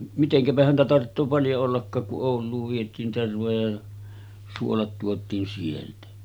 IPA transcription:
miteŋkæpæ hæntæ tɑrtːoː pɑljo olːɑkːɑːk kuʔ ʔoˑulˑuːʋ ʋietˑiːn terʋojɑ jɑ suolɑt tuotˑiːn sieltæ

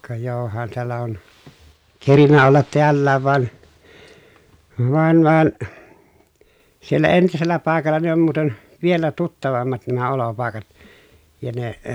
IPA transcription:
kɑ johɑn teælːæ on kerinːæ olːɑt teælːæːʋ ʋɑn ʋɑn ʋɑn sielːæ entiselːæ pɑˑekɑlːɑ ne om muːten ʋielæ tutːɑʋɑmːɑt næmæ olopɑˑekɑt jɑ ne

